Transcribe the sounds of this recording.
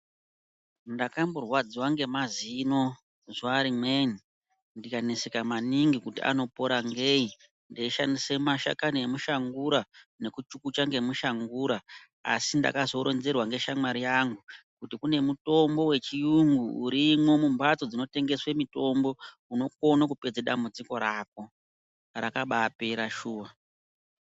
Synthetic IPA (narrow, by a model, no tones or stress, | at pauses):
ndakamborwad͡ziwaŋɡe̞mazino̞ | ʐaɾimeni | ndikanesekamaniŋɡikutḭa̰no̞po̞ɾaŋɡei | ndeiʃandisemaʃa̰kanoemuʃaŋɡuɾane̞kut͡ʃukut͡ʃaŋɡe̞muʃaŋɡuːɾa | a̰sinda̰kazo̞ɾo̞nze̞rwaŋɡe̞ʃamaɾijaŋɡu | kutikune̞muto̞mbo̞we̞t͡ʃijuŋɡuːɾimwo̞mumbat͡so̞d͡zino̞te̞ŋɡe̞swe̞mito̞mbo̞ | uno̞k̚o̞nakuped͡zeɗambud͡ziko̞ɾak̚o̞ | rakaɓaːpe̞ɾaʃuːwa